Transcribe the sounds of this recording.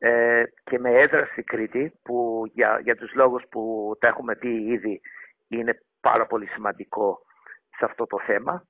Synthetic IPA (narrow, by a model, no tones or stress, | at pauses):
ece̞me̞eðɾɐst̪ikɾit̪ipuɐ̰ʝɐt̪uzlo̞ɣusput̪ɐe̞xume̞piiði | ine̞ | pɐ̰ɾɐpo̞lisimɐnd̪iko̞ | seɐft̪o̞t̪o̞θe̞mɐ